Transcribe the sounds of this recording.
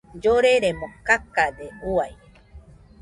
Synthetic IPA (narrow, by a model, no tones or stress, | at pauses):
d͡ʒoɾeɾemokakad̪euaj